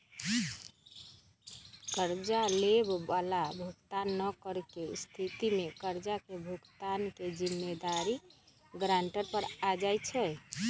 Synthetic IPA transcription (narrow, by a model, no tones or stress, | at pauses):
kəɾd͡ʒalebbalabʱukt̪anːəkəɾkest̪ʰit̪imekəɾd͡ʒakebʱukt̪anked͡ʒimːed̪aɾi | ɡɾaɳʈəɾpəɾad͡ʒajt͡ʃʰɛ